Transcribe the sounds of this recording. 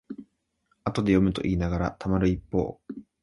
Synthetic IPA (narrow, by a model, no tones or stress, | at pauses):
at̪o̞d̪e̞jo̞mɯ̟t̪o̞̰ʔiːnaɡaɾat̪ʰamaɾɯ̟ipːo̞̰ː